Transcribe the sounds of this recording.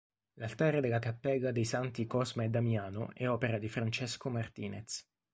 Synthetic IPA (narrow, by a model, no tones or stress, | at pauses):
lalt̪aːɾed̪elːakapːɛɡad̪ejsant̪ikɔzmaed̪ːamjaːno̰ʔɛɔpeɾad̪ifɾant͡ʃɛskomart̪iːnḛt̪s